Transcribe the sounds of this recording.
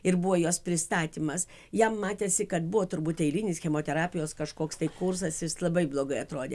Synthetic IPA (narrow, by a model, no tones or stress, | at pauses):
ɪɾbuʋoːjoːspʲɾʲɪst̪ɑːt̪ʲiːmɐs | jɛmːɑːt̪ʲesʲɪkɐt̪bʊʋoːt̪ʊɾbuːt̪ɛɪlʲinʲɪsxʲɛmoːt̪ʲɛɾɑːpʲɪjoːskɐʃkoːkst̪ɐɪkʊrsɐsjɪslˠɐbɐɪblˠoːɡɐɪɐt̪ɾoːd̪ʲeː